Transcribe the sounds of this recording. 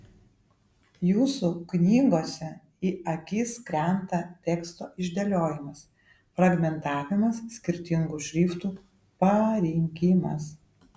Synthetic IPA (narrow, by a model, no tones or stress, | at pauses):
juːsuknʲiːɡoːsʲɛ | iːɐkʲiːskɾʲɛˑnt̪ɐt̪ʲɛkst̪oːʔɪʒʲd̪ʲɐlʲoːjɪmɐs | fɾɐɡmʲɛnt̪ɑːʋʲɪmɐssʲkʲɪɾʲt̪ʲɪŋɡuːʃʲɾʲiːft̪uː | pɐɾʲɪŋʲkʲɪmɐ̰s